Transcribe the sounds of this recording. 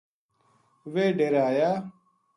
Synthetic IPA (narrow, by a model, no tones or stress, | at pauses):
ʋeːɖeɾaːjaː